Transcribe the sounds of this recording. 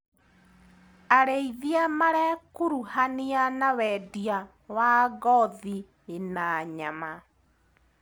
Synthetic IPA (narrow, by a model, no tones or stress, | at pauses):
aɾeiðiamaɾɛkoɾuhanianawɛdia | waɡɔði | enaɲama